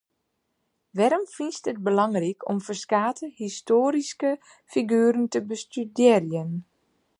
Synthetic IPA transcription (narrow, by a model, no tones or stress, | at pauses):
ʋɛɾəmfinstət̚bəlɑŋrikʰɔ̰mfərskaːtʰəhistoːɾiskə | fiɡyːɾəntəbəstydɪːrjən